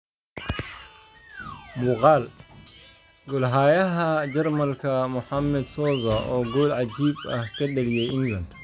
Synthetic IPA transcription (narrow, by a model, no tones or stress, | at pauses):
mʊqaːl | ɡɔlɦaːjɐɦɐd͡ʒɐrmɐlkʰɐmʊħamːɛd̪sɔːzɐʔɔːɡɔːlʕad͡ʒiːbɐhkʰɐɗɐlijɛjɪnɡɐnd̪